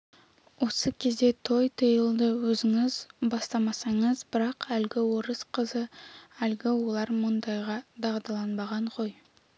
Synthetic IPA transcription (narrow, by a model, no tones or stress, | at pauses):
wo̞səkʲʰe̞zd̪e̞t̪ʰo̞jt̪ʰəjəlˠd̪əwɵzɪŋɪzbɑst̪ɑmɑsɑɴəzbɪɾɑqʰælɡʲɪwo̞ɾəsqʰəzəælɡʲɪwolˠɑɾmʊnd̪ɑjʁɑd̪ɑʁd̪ɑlˠɑnbɑʁɑɴqʰoj